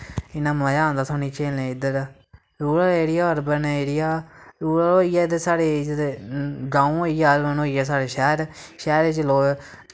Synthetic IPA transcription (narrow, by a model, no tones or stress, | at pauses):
ɪnãːməːjãːnd̪aːsʰaːnĩːt͡ʃeːlẽːɪd̪əɾ | ɾuːɽaːeːɽɪjaːəɾbəneːɾɪjaːɾuːɽaoːiɛːd̪esaːɽeːd͡ʒ̪eɡãːũːoːiaːlənoːiːɛːs̬aːɽeːʃɛːɾʃɛːɾet͡ʃloː